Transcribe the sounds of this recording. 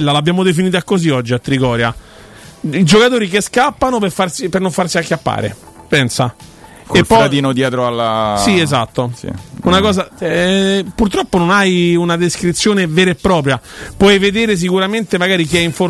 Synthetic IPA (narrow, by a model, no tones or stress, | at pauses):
lːalabːjaːmod̪efiniːt̪̬akːoziɔd͡ʒːiat̪ːɾikɔːɾja̰ | id͡ʒokat̪oːɾik̬eskapːanopefarsipernoɱfarsiakːapːa̰ːɾḛ | pɛnsa | kelfːɔad̪iːnod̪jɛːt̪ɾoalasiezat̪ːosḭunakɔːzaɛpurt̪ɾɔpːononajunad̪eskɾit̪sːjoːnevɛːɾapːɾɔːp̬ɾjapwɔjved̪eːɾes̬ikuɾament̪emaɡaːɾik̟iɛiɱfo